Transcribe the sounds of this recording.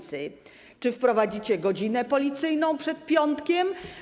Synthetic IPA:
sɘ | t͡ʂɘfpɾɔvad͡ʑit͡ɕɛɡɔd͡ʑinɛpɔlʲit̪sɘjnɔ̃w̃pʂɛt̪̚pʲjɔnt̪kʲɛm

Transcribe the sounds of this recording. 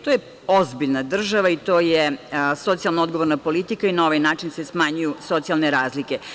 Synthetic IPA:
t̪oje | ozbiʎnad̪r̩ʒaʋait̪o̞ːjeso̞t̪sijalˠnood̪ɡo̞ʋoɾnapo̞lit̪ikainao̞ʋajnaːt͡ʃinsesmaɲujuso̞t̪sialˠne̞ɾaːzlike̞

